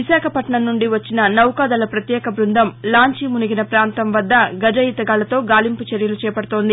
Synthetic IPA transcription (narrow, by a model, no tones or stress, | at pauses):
isaːkʰɐpɐʈɐɳɐnnːuɳɖiʋɐt͡ʃːinɐnɐwkaːd̪ɐlɐpɾɐt̪jɛːkɐbɾund̪ʱɐmlaːɲt͡ʃimuniɡinɐpɾaːnt̪ɐmʋɐd̪ːɐɡɐd͡ʒɐjit̪ɐɡaːlɐt̪o̞ːɡaːlimput͡ʃeɾjɐlut͡ʃɛːpɐɽut̪o̞ːnd̪i